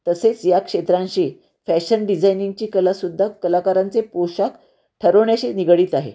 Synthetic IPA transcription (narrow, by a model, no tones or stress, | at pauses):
t̪əset͡sjakʂet̪ɾãnɕiː | fæɕənɖid͡zajniŋɡ̚t͡ɕiːkəlasud̪ʱːakəlakaɾant͡sepoɕak | ʈʰəɾəʋɳjaɕiniɡɽiːt̪aɦḛ